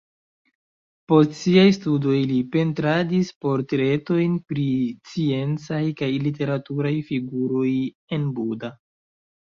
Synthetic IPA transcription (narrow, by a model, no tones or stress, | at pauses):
po̞stsiajstudo̞jlipe̞ntɾadispo̞ɾtɾe̞to̞jnpɾit͡sie̞nt͡sajkajlite̞ɾatuɾajfiɡuɾo̞j | e̞nbuda